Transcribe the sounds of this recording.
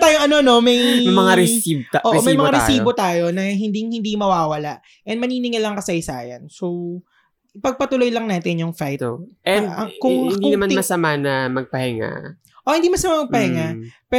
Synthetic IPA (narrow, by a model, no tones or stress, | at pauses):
t̪aːjoŋʔɐno̞no̞mɐjmɐŋaɾɛsibʔoʔʔmɐjmɐŋaɾɛsiːbot̪aːjo̞nɐɦɪnd̪iŋhɪnd̪imɐwaːwɐlaʔ | ʔɛnd̪mɐniːnɪŋɐlɐŋkɐsɐjsa̰ːjɐ̰nsow | pɐɡ̚pɐt̪ʊlo̞jlɐŋnaːt̪ɪnjʊŋfajt̪ʔɛd̪ɐkʊŋnd̪ʊnɐmanmɐsɐmanɐmɐɡ̚pɐhɛŋa̰ | ʔohɪ̃nd̪imɐsɐmamɐɡ̚pɐhɛŋapɛ